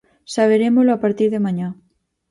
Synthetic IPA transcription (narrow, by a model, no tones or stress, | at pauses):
saβ̞eɾemoloapaɾt̪iɾðemãɲa